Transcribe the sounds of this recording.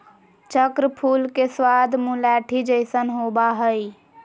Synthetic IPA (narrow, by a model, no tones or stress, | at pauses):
t͡ʃəkɾəpʰuːlkeswad̪ʱmulɛʈʰid͡ʒəɪsənɦobaɦəj